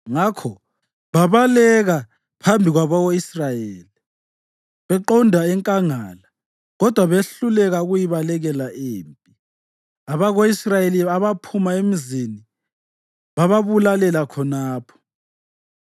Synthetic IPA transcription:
ŋakʰɔ | βaβalɛɣa | pʰambʱiɣwaβaɣoisrajeːli | βɛǃɔndʱaɛŋkʼaŋala | ɣɔd̥ʱwaβeɬulɛɣauɣujiβalɛɣɛlaʔeːmpʼi | aβaɣoisrajeliaβapʰumaemizini | βaβaβulalɛlakʰɔnaːpʰɔ̥

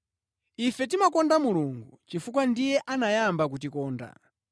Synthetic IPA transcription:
ifɛt̬imakɔndamuluŋɡut͡ʃifukwandijɛʔanajambak̬ut̬ikɔːnda̰

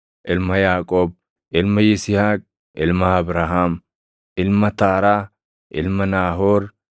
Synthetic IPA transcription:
ʔɪlmɐjaːkʼoːb̚ | ʔɪlmɐjɪsɪhaːkʼ | ɪlmɐɐbɾaːɦaːm | ʔɪlmɐt̪aːɾaː | ʔɪlmɐnaːɦoːɾ

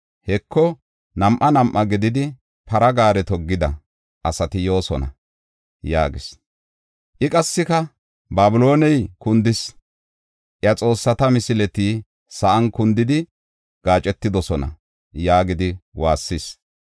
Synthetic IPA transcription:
hɛkːɔ | nɐmʔɐnɐmʔːɐɡɪd̪ɪd̪ɪ | pɐɾɐɡaːɾɛt̪ɔɡːɪd̪ɐ̰ | ʔɐsɐt̪ɪjo̞ːsɔnɐ̰ | ja̰ːɡɪs | ʔɪkʼɐsːɪkɐ | baːbɪlo̞ːnɛjkʊnd̪ɪs | ʔjɐt͡sʼo̞ːsːɐt̪ɐmɪsɪlɛt̪iː | sɐʔɐnkʊnd̪ɪd̪ɪ | ɡ̥aːt͡ʃʼɛt̪ːɪd̪ɔsɔnɐ̰ | jaːɡɪd̪ɪwaːsːɪs

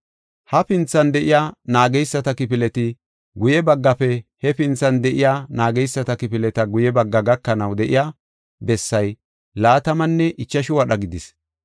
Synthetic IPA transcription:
hɐpɪnt͡sːɐnd̪ɛʔɪjaːnaːɡɛjsːɐt̪ɐkɪpɪlɛt̪ɪ | ɡʊjɛbɐɡːɐpɛhɛpɪnt͡sːɐnd̪ɛʔɪjaːnaːɡɛjsːɐt̪ɐkɪpɪlɛt̪ɐɡʊjɛbɐɡːɐɡɐkːɐnɐwd̪ɛʔɪja | bɛsːɐj | laːt̪ɐmɐnːɛʔɪt͡ʃːɐʃʊwɐɗɐɡɪd̪ɪs

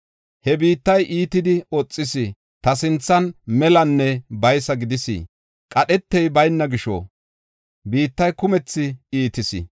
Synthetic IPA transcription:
hɛbiːt̪ːɐjʔiːt̪ɪd̪ɪɔt͡sʼːɪsi | t̪ɐs̬ɪnt͡sːɐnmɛlɐnːɛbɐjsɐɡɪd̪ɪsḭ | kʼɐɗɛt̪ːɛjbɐjnːɐɡɪʃɔ̰ | biːt̪ːɐjkʊmɛt͡sːɪiːt̪ɪsɪ̰

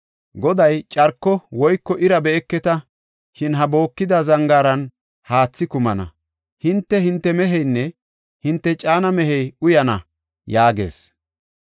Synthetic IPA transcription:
ɡɔd̪ɐjt͡ʃʼɐɾkːɔwɔjkːɔʔɪɾɐbɛːkːɛt̪ɐ | ʃɪnɦɐbo̞ːkːɪd̪ɐzɐŋɡaːɾɐn | haːt͡sːɪkʊmɐnɐ̰ | hɪnt̪ːɛhɪnt̪ːɛmɛɦɛjnːɛ | hɪnt̪ːɛt͡ʃʼaːnɐmɛɦɛjʊjɐnɐ | jaːɡe̞̰ːs

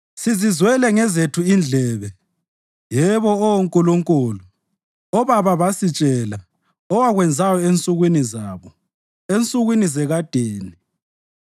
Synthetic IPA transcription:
sizizwɛlɛŋɛzetʰuind͡ɮʱɛːβɛ | jɛβɔɔwoŋkʼuluŋkʼulu | ɔβaβaβasit͡ʃʼɛla | ɔwaɣwɛnd͡zʱajɔent͡sʼuɣwinizaβɔ | ent͡sʼuɣwinizɛɣad̥ʱeːni

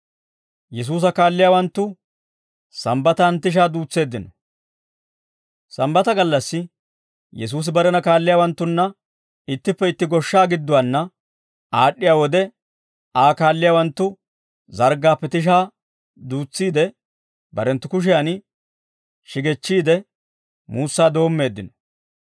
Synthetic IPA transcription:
jɛs̬uːs̬ɐkaːlːɪjaːwɐnt̪ːʊ | sɐmbɐt̪ɐːnt̪ɪʃ̬aːd̪uːt͡sːe̞ːd̪ːɪnɔ | sɐmbɐt̪ɐɡɐlːɐsːɪ | jɛs̬uːs̬ɪbɐɾɛnɐkaːlːɪjaːwɐnt̪ːʊnːɐ | ɪt̪ːɪpːɛɪt̪ːɪɡɔʃːaːɡɪd̪ːʊwanːɐ | aːɗːɪjaːwɔd̪ɛ | aːkaːlːɪjaːwɐnt̪ːʊ | zɐɾɡaːpːɛt̪ɪʃ̬aː | d̪uːt͡sːiːd̪ɛ | bɐɾɛnt̪ːʊkʊʃ̬ɪjan | ʃɪɡɛt͡ʃːiːd̪ɛ | muːsːaːd̪o̞ːmːe̞ːd̪ːɪnɔ̥

